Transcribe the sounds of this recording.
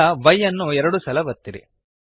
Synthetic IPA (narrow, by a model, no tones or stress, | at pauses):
ɐʋɐjːɐnːuɛɾɐɽusɐlɐʋɐt̪ːiɾḭ